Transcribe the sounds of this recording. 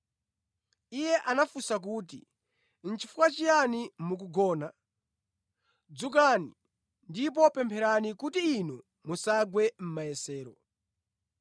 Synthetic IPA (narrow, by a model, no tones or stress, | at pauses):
ijɛʔanafusak̬uːt̬ḭ | n̩t͡ʃifukwat͡ʃijanimuk̬uɡɔːna | d͡zuk̬ani | ndip̬ɔpɛmpʰɛɾanikutiːnu | musaɡwɛm̩majɛsɛːɾɔ